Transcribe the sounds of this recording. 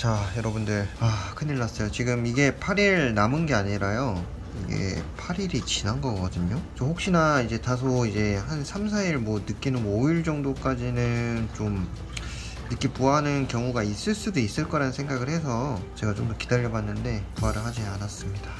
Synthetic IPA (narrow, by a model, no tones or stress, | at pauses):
t͡ɕajʌɾʌbundɯɭakʰɯniɭːas͈ʌjot͡ɕiɡɯmiɡe̞pʰaɾiɾnamɯnɡe̞aɲiɾajo | ḭɡe̞̰pʰaɾiɾit͡ɕinanɡʌɡ͈ʌdɯɲot͡ɕ͈ʌhok̚ɕ͈inaid͡ʑe̞tas̬ʰoid͡ʑe̞hansʰamsʰaiɭmwʌnɯk͈inɯnoiɭd͡ʑʌŋdok͈ad͡ʑinɯnt͡ɕom | nɯk͈ipuanɯnkjʌŋuɡais͈ɯɭs͈udois͈ɯɭk͈ʌɾanɯnsʰeŋɡaɡɯɭhe̞s̬ʰʌt͡ɕe̞ɡat͡ɕomdokidaʎːʌbanːɯnde̞puaɾɯɭhad͡ʑianas͈ɯmɲid̥a